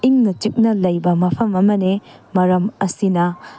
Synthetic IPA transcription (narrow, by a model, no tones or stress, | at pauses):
iŋnɐt͡ʃik̚nɐlɐjbɐmɐpʰɐmɐmɐnemɐɾɐmɐsinɐ